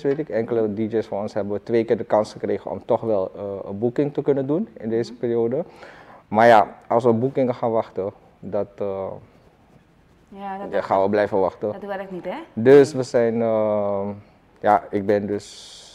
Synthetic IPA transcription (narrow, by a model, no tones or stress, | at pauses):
sʋetɪkɛŋkələdid͡ʒejsfɔːnɔnsɦɛbənʋətʋejkɪːɹdəkɑnsχəkrejχə̰nɔ̰mtɔχʋɛlˠəə̰bukɪŋtəkɵnəndunɪ̰ndeːzəpɪːriodə | maːɹja̰ɑlˠsʋəbukɪŋəχaːnʋɑχtə | dɑtə | jχanʋəblɛjfəʋɑxtəɛknidøsʋəzɛjnə | jaɪɡ̚bɛndɵs